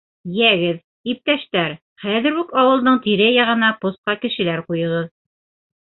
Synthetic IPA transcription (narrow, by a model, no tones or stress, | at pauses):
jæɡɘð | ip̚t̪æʃt̪æɾ | χæðɘ̆ɾʉkɑwɤ̆lˠd̪ɤɴt̪iɾɘjɑʁɤ̆nɑpŏsqɑkɘ̆ʃɘ̆læɾqujɤ̆ʁɤð